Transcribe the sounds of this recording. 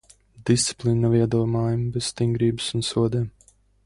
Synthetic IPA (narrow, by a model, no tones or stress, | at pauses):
d̪ist̪si̥plˠinːaviɛd̪uɔmaːjambez̥st̪iŋɡɾiːbɨsunsuɔd̪ɛːm